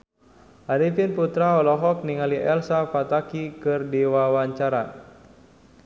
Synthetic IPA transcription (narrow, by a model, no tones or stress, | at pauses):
ʔaɾifinput̪ɾaɔlɔɦɔk̚niŋaliʔɛlsapat̪akikɨrdiwawaɲt͡ʃaɾa